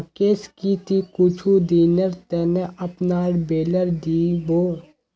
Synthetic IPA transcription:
keːskit̪ikʊt͡ʃʰud̪iːnəɾt̪ɛːneʔɐpnaːɽbeːləɾd̪iboː

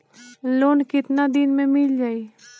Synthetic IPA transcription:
loːnkɪt̪nad̪ɪnmẽmɪld͡ʒaːi

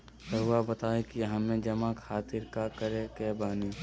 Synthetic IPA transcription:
tɐɦuabɐt̪aːekiɦɐmẽd͡ʒɐmakʰaːt̪ɪɾkakəɾekɛːbaːni

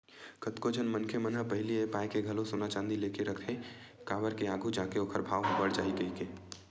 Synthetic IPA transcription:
kət̪kod͡ʒʱənmənkʰemənəpɐɦɪliepaːjkeɡʱɐlosoːnat͡ʃãːnd̪ileːkeɾɐkʰekaːbəɾkeaːɡʱud͡ʒaːkeoːkʰəɾbʱaːʋɦbəɽd͡ʒaːiɡɐikeː

